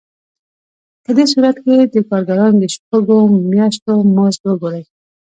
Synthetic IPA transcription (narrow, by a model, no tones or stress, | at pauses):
pəd̪esuɾat̪ked̪əkɑɾɡaɾɑnd̪əʃtoɡomjaʃ̬t̪omɑsbəɡoɾaj